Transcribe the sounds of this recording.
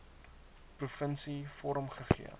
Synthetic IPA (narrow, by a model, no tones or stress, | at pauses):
prufənsifɔɾəmχəχḭə